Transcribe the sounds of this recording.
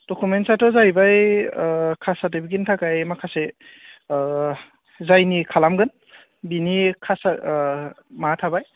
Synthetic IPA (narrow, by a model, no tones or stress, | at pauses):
d̥ɔkumentsatɔzajbaj | kʰasatibikintʰakajmakʰase | zajnikʰalamɡɯn | binikʰasa | matʰabaj